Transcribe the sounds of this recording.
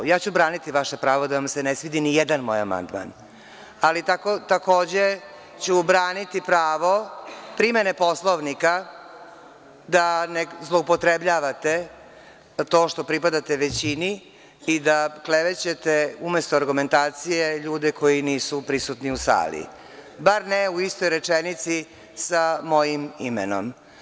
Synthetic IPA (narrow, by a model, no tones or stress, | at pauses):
jaːt͡ɕubɾaːnit̪iʋaʃepɾaːʋod̪aʋamsenesʋid̪inijed̪anmo̰ja̰ma̰nd̪ma̰n | alit̪akot̪ako̞ːd͡ʑe̞ | t͡ɕubɾaːnit̪ipɾaːʋo̞pɾimenepo̞slˠoʋnika | d̪anezlˠoupot̪ɾebʎaːʋat̪e̞ | t̪o̞ːʃt̪o̞pɾipad̪at̪eʋet͡ɕini | id̪akleʋet͡ɕe̞t̪eumest̪oaɾɡume̞nt̪aːt̪sijeʎuːd̪ɛko̞jiniːsupɾisut̪niusa̰ːlḭ | baɾneuist̪ojɾet͡ʃenit̪si | samo̞jimḭmḛno̰m